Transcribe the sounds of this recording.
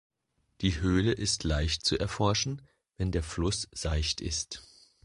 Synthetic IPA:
d̥iːɦøːləʔɪstʰlaɪçt̚t͡suʔɛɐfɔɐʃn̩ | vɛndeːɐflʊsz̥aɪçtʰɪ̰st

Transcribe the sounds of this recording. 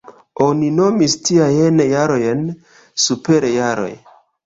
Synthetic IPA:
o̞nino̞mistiajenjaɾojen | supeɾejaɾo̞̰j

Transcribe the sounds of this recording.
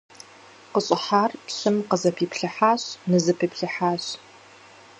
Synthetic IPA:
qəɕʼɪħaːrpɕɨmqəzɐpʰiːpʰɬɨħaːɕnɨzɐpʰiːpɬɨħaːɕ

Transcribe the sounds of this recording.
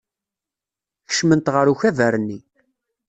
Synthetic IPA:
çə̥ʃmənt̪ʁəɾuçævæɾənːi

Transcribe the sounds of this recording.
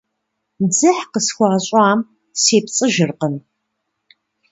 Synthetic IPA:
d͡zɨħqəsxʷɑːɕʼaːm | seːpt͡sʼɨʒɪrqən

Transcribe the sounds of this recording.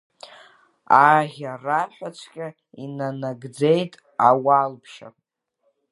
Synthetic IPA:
aʁʲaraħʷᶣat͡ʃʷʰkʲʼa | inanaɡd͡ze̞jtʼ | awalpʰʃa̰pʼ

